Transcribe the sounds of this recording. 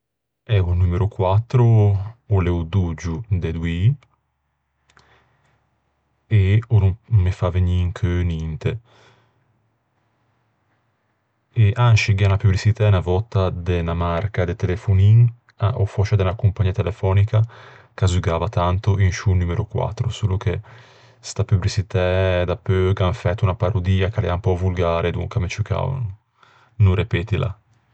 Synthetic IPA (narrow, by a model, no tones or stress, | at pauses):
ɛvunumeɾukwat̪ːɾoolɛud̪ud͡ʒud̪ed̪wi | eonumefaveɲiŋkʰønint̪e | eʔanʃiɡanapublisit̪ɛnavɔt̪ːad̪enamarkad̪et̪elefuniŋ | aofɔt͡ʃad̪ɛnakumpaɲiːat̪elefɔːnika | kazuɡaːvat̪ant̪oʔinʃunuːmeɾokwa̰t̪ːɾosuːloke | st̪apyblit͡ʃit̪ɛd̪apøɡanfɛt̪ːunapaɾod̪iːakalɛ̰ampɔvulɡaːɾʔed̪ṵŋkamet͡ʃuka̰ | nurepɛːt̪ila̰